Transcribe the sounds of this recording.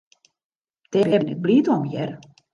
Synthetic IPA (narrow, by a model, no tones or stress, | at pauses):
d̥ɛbɛbnɛt̚bliːtɔmjɛr